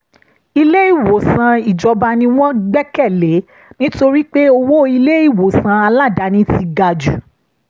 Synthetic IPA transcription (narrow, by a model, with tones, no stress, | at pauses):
i˧le˦i˦˨wo˨sã˧i˨d͡ʒɔ˨˧ba˧nĩ˧w̃ɔ̃˦ɡ͡bɛ˦kɛ˦˨le˨˦ | nĩ˦to˧ɾi˦k͡pe˦o˧wo˦i˧le˦i˦˨wo˨sã˧a˧la˦˨da˨˦nĩ˨˦ti˧ɡa˧d͡ʒu˨